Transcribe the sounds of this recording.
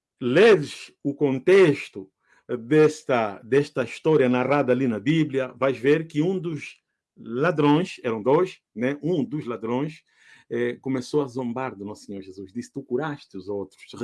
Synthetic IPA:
levɪʃukõnt̪eʃt̪ʊ | d̪ɛʃt̪ɐd̪ɛʃt̪ɐiʃt̪ɔɾjɐnarad̪ɐalinɐbibljɐvajzveɾkɪũd̪uz | lad̪ɾõj̃ʃɛɾɐ̃w̃d̪ojʃ | nɛʔũd̪uzlad̪ɾõj̃ʃ | ɛkomesoɐzõmbaɾd̪unɔsʊ̥seɲoɾʒezuʃd̪isɪ̥t̪ukuɾaʃt̪ɪuzot̪ɾʊʃ

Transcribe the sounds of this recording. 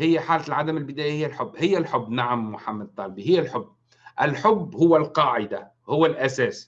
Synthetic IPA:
hɪjːæħaːllʕad̪amɪlbɪd̪æːjahɪjːælħʊbːhɪjːælħʊbːnaʕamːʊħamːad̪̚t̪ˤɑːlbihɪjːælħʊbː | ʔɪlħʊbːhʊwːælqɑːʕɪd̪a | hʊwːælʔæsæːs

